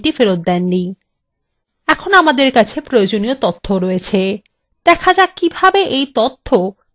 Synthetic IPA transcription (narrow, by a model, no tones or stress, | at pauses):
ʈifeɾot̪̚d̪ɛnːi | ɛkʰonamad̪eɾkat͡ɕʰepɾojod͡ʑoniot̪ot̪ʰːoɾɔet͡ɕʰe | d̪̥ɛkʰad͡ʑakibʱabeʔejt̪ot̪ʰːo